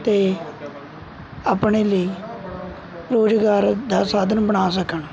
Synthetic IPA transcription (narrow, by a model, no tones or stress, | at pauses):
t̪eː | aːpɳeːləiː | ɾoːd͡ʒɡaːɾd̪aːsaːd̪ənbəɳaːs̬əkəɳ